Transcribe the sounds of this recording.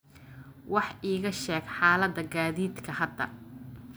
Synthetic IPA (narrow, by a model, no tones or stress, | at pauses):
wɑħʔiːɣɐʃɛːɡħɑːlɐd̪ɐɡaːðiːd̪kʰɐhɐd̪ːɐ̰